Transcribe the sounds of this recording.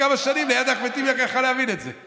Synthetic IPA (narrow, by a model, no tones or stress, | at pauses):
amaʃanimlejad̪aχmet̪imjaχjaχaleavinetzḛ